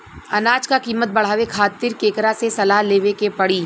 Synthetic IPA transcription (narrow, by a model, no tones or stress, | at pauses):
ɐnaːd͡ʒkakiːmət̪̚bɐɽ̤aːʋekʰaːt̪ɪɾkeːkɾasesɐlaːleːʋekepɐɽiː